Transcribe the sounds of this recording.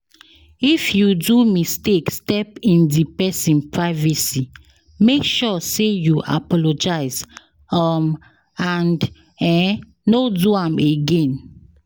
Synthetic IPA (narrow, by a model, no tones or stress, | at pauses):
ifjudumistekstɛpĩndipɛsĩnpɹaɪvɛsi | mekʃɔsejuʔa̰pɔlod͡ʒaɪz | ɔm | ãnd | ɛ̃ | noduãmeɡẽn